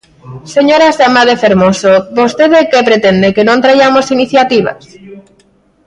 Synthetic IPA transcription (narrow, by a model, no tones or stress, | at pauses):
seɲoɾazðamaðefeɾmosobost̪eðekepɾet̪end̪ekenõnt̪ɾajamosiniθjat̪iβ̞a̰s